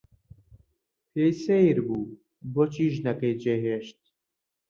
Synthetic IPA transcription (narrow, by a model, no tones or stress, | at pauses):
pʰejsejɾbuː | bɔt͡ʃiʒnɐkejd͡ʒeɦeʃt̪̚